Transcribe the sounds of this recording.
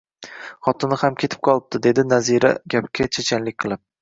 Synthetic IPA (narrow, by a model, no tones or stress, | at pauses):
χɒt̪ʰɪnɪhamkʲʰe̞t̪ʰɪ̥p̚qʰɒlˠɪp̚d̪ɪd̪e̞d̪ɪnaziɾa̰ɡʲap̚kʲʰːat͡ʃʰet͡ʃʰanlɪkʲqʰɨlˠɪp̚